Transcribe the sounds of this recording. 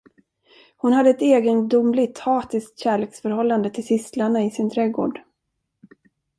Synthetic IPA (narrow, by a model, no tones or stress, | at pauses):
hʊnhad̪ːəɛt̪eːɡənd̪ʊmlɪt̪hɑːt̪ɪskt̪ɕæːɭeːksfœɾhɔlːand̪ət̪ʰɪlsɪslaɳaɪsɪnt̪ʰɾɛːɡo̰ːɖ